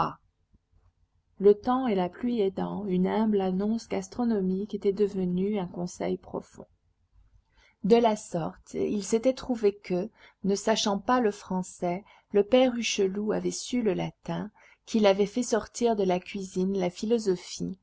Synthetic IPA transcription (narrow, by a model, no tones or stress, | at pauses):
a | lət̪ɑ̃elaplɥied̪ɑ̃ynɛ̃blanɔ̃sɡast̪χɔnɔmiket̪ɛd̪əvənyɛ̃kɔ̃sɛ̰jpχɔ̰fɔ̰̃ | d̪əlasɔʁt̪ilset̪ɛt̪χuvekə | nəsaʃɑ̃paləfχɑ̃sɛ | ləpɛʁyʃəluavɛsyləlat̪ɛ̃ | kʲʰilavɛfɛsɔʁt̪iʁd̪əlakʲɥizinlafilɔzɔfi